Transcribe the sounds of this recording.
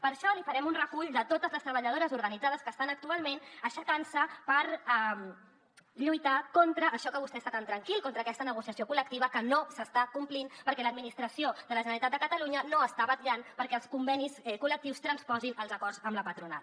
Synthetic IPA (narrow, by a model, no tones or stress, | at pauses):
pəɾʃɔlifəɾɛmunrəkuʎd̪ət̪ot̪əzləst̪ɾəβəʎəð̞oɾəzuɾɣənid͡zað̞əskəst̪anək̚t̪ualˠmenəʃəkansəpəɾɛm | ʎujt̪akont̪ɾəʔːʃɔkəβust̪ɛst̪at̪ant̪ɾəŋkilˠkont̪ɾəːkɛst̪ənəɣ̞usiəsiokulək̚t̪iβəkənosəst̪akumplinpəɾkɛləd̪minist̪ɾəsiod̪ələʒənəlit̪at̪d̪əkət̪əluɲənoəst̪aβət̪ʎanpəɾkɛəlˠskumbɛnisɛkulək̚t̪iwst̪ɾənspɔzinəlˠzəkɔrzəmləpət̪ɾuna̰t̪